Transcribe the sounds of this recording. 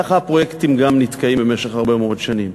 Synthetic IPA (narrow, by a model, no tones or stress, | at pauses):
aχapʁojekt̪imɡamnit̪kaimbemeʃeχaʁbemeodʃanim